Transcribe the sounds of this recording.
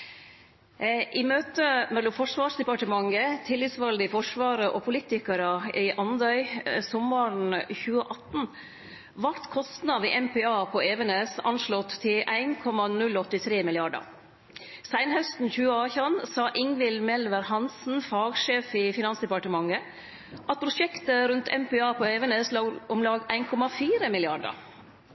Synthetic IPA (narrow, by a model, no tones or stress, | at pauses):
ʔɪmøːt̪əmɛlːʊmfɔʂʋɑːʂd̪ɛpɑʈəmɑŋət̪ʰɪlːɪt̪sʋɑld̪ɪfɔʂʋɑːɾəʔɔpʰʊliːt̪ɪkəɾəɪʔɑnd̪œʏsɔməɳçʉːəʔɑt̪n̩ | ʋɑɾt̪kʰɔst̪nɑʋiːʔɛmpɛɑːpʰɔeːʋənesɑ̰nʂlɔt̪ʰːɪʔæɪnkʰɔmɑnʉlːɔt̪ːɪt̪ʰɾeːmɪlɪɑɖə̰ɾ | sæɪnhœst̪n̩çʉːəɑːçɑnsɑːʔɪŋʋɪlmɛlʋəɾhɑnsn̩fɑːɡʂeːfɪfɪnɑnsd̪ɛpɑʈəmɑŋːə | ʔɑt̪̚pʰɾʊʂɛkt̪əɾʉnt̪ʰɛ̰mpɛɑːpʰoeːʋɛneːslɑːʊmlɑːɡæɪnkʰɔmɑfiːɾəmɪlɪɑɖə̰ɾ